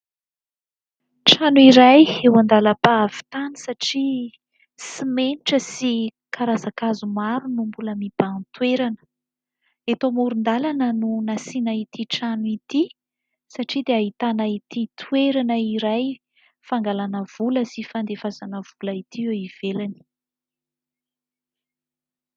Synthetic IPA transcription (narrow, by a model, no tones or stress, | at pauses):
ʈ͡ʂanuiɾajewand̪aləpaav̥i̥t̪anisaʈ͡ʂi | simeniʈ͡ʂəsikaɾazakazumaɾunumbuləmib̥ant̪weɾanə | et̪omuɾund̪alanənunasinait̪iʈ͡ʂanuit̪i | saʈ͡ʂid̪eaɦit̪anait̪it̪ʰweɾanəiɾaj | faŋɡalanəv̥uləsifand̪efazanəv̥ulait̪ieiv̥elani̥